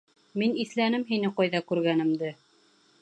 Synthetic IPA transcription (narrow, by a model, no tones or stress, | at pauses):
miniθlænɘmɦinɘqɑjðɑkʉɾɡænɘ̆md̪ɘ